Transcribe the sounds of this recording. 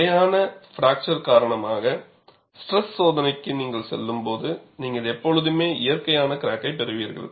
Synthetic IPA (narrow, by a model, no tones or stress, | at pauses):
ɐjaːnɐfɾaːk̚t͡ʃɐɾkaːɾɐɳɐmaːɣɐ | sʈɾɛssoːðɐnɐɪkːɯniːŋɡɐɭsɛ̰lːɯmpoːðɯniːŋɡɐɭɛpːɔɻɯðɯmeːɪjɐɾkɐjaːnɐkɪɾaːkːɐɪpːɛɾɯʋiːɾɣɐ̰ɭ